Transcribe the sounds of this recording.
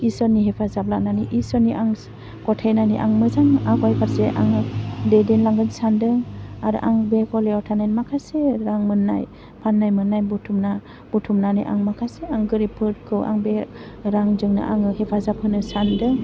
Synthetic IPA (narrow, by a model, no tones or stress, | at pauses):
isɔnːiɦepʰazap̚lak̚naniʔisɔniʔaŋ | kɔtʰajnaniʔa̰ŋmɯzaŋakajpʰaɾseʔa̰ŋɯdedenlaŋɡɯnsandɯŋaɾ̰ʔaŋbekɔleɔtʰanajnmakʰaseɾaŋmɯnːa̰j | pʰanːajmɯnːajbutʰumna | b̥ɔtʰumnaniʔa̰ŋmakʰaseaŋɡɯɾipʰɯt̚kʰɯwʔa̰ŋbe | ɾaŋzɯŋna̰ʔaŋɯhepʰazap̚hɯnɯsandɯŋ